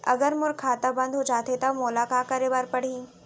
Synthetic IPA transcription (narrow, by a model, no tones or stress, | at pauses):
ɐ̰ɡəɾmʊɾkʰaːt̪abɐ̃nd̪ʱɦod͡ʒaːt̪ʰet̪ɐmolaːkakɐɾebaɾpɐɽ̤iː